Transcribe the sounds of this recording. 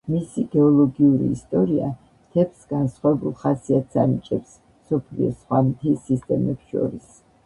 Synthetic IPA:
misiɡɛɔlˠɔɡiuɾḭːst̪ʼɔɾia | t̪ʰɛpsɡ̥ansχwavɛbulˠχasiat̪ʰsanit͡ʃʼɛps | msɔpʰliɔsχwamt̪ʰisist̪ʼɛmɛpsʃɔ̰ɾis

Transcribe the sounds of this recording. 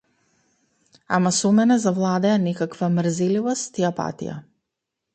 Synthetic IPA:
a̰masɔmɛnɛzavlˠad̪ɛjanɛkakvamrzɛlivɔst̪iapa̰t̪ḭja̰

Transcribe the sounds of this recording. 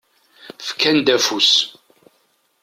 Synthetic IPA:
fkʰːænd̪æfus

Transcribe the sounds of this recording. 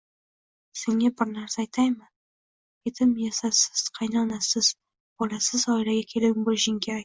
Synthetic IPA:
seŋabɪɾnaɾsaːjt̪ʰajmɪ | kʲʰet̪ʰɪmjesasɪ̥z̥qʰɑjnaːnasɪz̥ | b̥ɒlasɪzɒɪlaɡʲakʲʰe̞lɪbolɪʃɪŋkʲʰeaj

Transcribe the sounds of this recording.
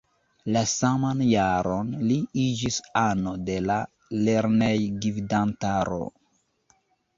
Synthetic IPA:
lasamanjaɾo̞nliid͡ʒisano̞de̞la | le̞ɾne̞jɡividantaɾo̞̰

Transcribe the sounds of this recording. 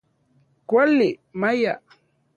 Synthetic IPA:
kwalɪmaja

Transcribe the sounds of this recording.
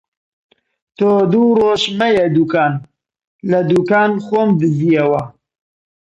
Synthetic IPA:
t̪oːd̪uroːʃmɐjɐd̪uːkaːn | lɐd̪uːkaːnxoːmd̪ɨziɐwɐ

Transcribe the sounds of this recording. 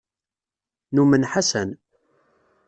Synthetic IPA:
numənħasæn

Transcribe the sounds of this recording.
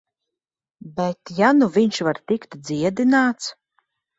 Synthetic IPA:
bɛt̪januviɲʃvaɾt̪ikt̪d̪ziɛd̪inaːt̪s

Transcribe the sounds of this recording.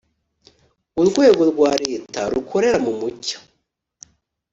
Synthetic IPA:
uɾɡwe̞ːɡo̞ɾɡwaːɾe̞ːtaɾukʰo̞ɾe̞ɾamumucḁ

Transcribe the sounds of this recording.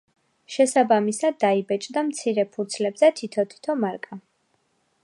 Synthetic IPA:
ʃɛsabamisad̪ːaibɛt͡ʃʼd̪amt̪sʰiɾɛpʰud̪slɛbzɛt̪ʰit̪ʰɔt̪ʰi̥t̪ʰɔmaɾkʼa

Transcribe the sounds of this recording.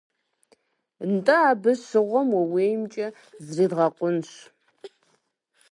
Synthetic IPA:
ntʼɐaːbɨɕɨʁʷɔmwɐweːjmt͡ʃʼɐ | zriːdʁɐqʷʼʊnɕ

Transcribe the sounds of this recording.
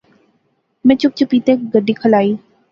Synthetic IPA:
mɛ̃t͡ʃʊp̚t͡ʃʊpiːt̪eːk̚ɡəɖːikʰəlaːiː

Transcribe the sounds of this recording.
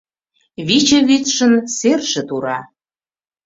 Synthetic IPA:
βit͡ɕeβit̪ʃə̆nserʒĕt̪uɾɑ

